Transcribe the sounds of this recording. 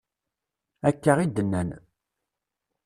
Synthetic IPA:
ækːəʁid̪ənːæn

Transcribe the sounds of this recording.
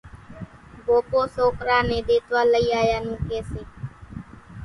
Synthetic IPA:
boːpoːsoːkɾãːnẽːɗ̪eːt̪ʋaːləiːaːjaːnũːkeːseː

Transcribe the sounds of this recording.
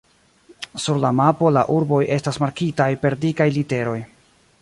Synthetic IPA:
suɾlamapo̞la̰ʔuɾbo̞jʔe̞stasmaɾkitajpe̞ɾdikajlite̞ɾo̞j

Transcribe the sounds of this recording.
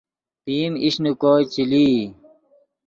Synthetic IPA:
t̪iːmiɕnukoːt͡ɕiliː

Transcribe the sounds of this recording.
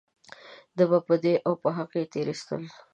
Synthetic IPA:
d̪əbapəd̪eʔawpəɦaqet̪eɾist̪ə̰l

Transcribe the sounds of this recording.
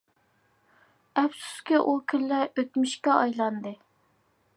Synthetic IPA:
ɛpsu̥skʲiʔukʲʰylːɛøt̪myʃkʲɛɑjlˠɑnd̪ɨ

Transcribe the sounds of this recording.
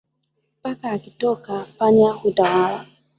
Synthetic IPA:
pakaːkɪtɔkapaɲahudawaɾa

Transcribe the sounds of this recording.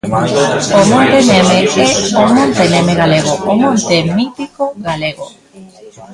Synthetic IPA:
omõt̪enemeɛomõnt̪enemeɣaleɣoomõnt̪emit̪ikoɣaleɣo

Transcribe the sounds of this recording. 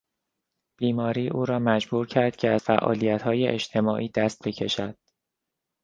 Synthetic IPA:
b̥iːmɒːɾiːʔuːɾɒːmæd͡ʒbuːɾcʰæɾd̪̥cʰeæz̥fæʔɒ̰ːliːjæt̪hɒːjeʔet͡ʃt̪ʰe̞mɒːʔiːd̪̥æst̪̚becʰe̞ʃæd̪̥

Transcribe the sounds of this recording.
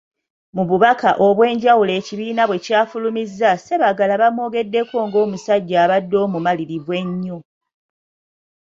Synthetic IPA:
muβuβakaʔo̞βwe̞ːɲɟawule̞ːciβiːnaβwe̞caːfulumizːase̞βaɡalaβamwo̞ːɡe̞dːe̞ko̞ːŋɡo̞ːmusaɟːaːβadːo̞ːmumaliɾiβwe̞ɲːo̞

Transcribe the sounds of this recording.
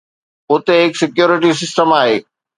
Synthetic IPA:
ʊt̪eɦɪksɪkjoːɾɪʈ̬is̬ɪsʈəmaːɦḛː

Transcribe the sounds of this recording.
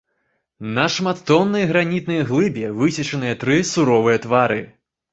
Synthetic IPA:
nɐʂmat̪ːɔnːɐjɣɾanʲit̪̚nɨjɐɣlˠɨbʲɛvɨsʲit͡ʂɐnɨjɐt̪ɾɨsuɾɔvɨjɐt̪vaɾɨ

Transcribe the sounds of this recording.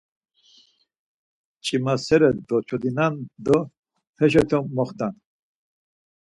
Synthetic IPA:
t͡ʃʼimasɛɾɛd̪ɔt͡ʃʰɔd̪inand̪ɔ | pʰɛʃɔt̪ʰɔmːɔχt̪an

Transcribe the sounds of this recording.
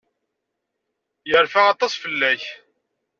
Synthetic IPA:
jəɾfæɑt̪ˤːɑsˤfəlːæç

